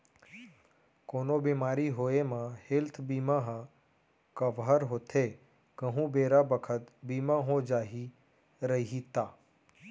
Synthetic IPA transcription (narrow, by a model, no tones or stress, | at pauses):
koːnobiːmaːɾiɦoːemãhɪlt̪ʰbiːmaɦ | kəʋɦəɾɦoːt̪ʰeː | kəɦũbeːɾabəkʰət̪biːmãɦod͡ʒaːɦi | ɾəɦit̪aː